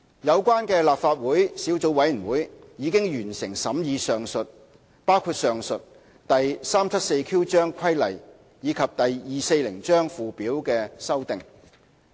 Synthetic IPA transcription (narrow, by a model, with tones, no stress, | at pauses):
jɐ˨˧wkʷaː˥nkɛː˧laː˨p̚faː˧t̚wuː˨˥jsiː˨˥wt͡so˨˧wɐ˨˥jy˨˩nwuː˨˥jjiː˨˧kɪ˥ŋjyː˨˩nsɪ˨˩ŋsɐ˨˥mjiː˧sœː˨ŋsɵ˨t̚ | paː˥wkʰuː˧t̚sœː˨ŋsɵ˨t̚ | t̪ɐ˨jsaː˥mt͡sʰɐ˥t̚se˧jkʰi˥wt͡ʃœː˥ŋkʷʰɐ˥jlɐ̰˨˩j | jiː˨˧kʰɐ˨p̚t̪ɐ˨jjiː˨se˧jlɪ˨˩ŋt͡ʃœː˥ŋfuː˨˧piː˨˥wkɛː˧sɐ˥wt̪ɪ˨ŋ